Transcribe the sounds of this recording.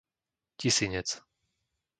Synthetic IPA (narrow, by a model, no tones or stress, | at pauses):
cisiɲɛt͡s